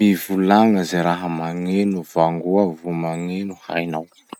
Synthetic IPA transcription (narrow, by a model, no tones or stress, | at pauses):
ivulaŋəzeɾaɦəmaŋenuvaŋɡuavumaŋenuha̰jnaw